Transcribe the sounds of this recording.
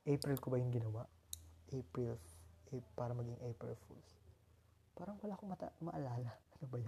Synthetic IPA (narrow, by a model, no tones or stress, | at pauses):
ʔejpɾɛlkobɐjʊŋɡɪnɐwaʔʔepɹɪlɛpaːɾɐmɐɡɪŋʔejpɾɛ̰lfṵls | paːɾɐŋwɐlaːkoŋmɐt̪ɐmɐʔɐlaːlɐʔɐnobɐjʊ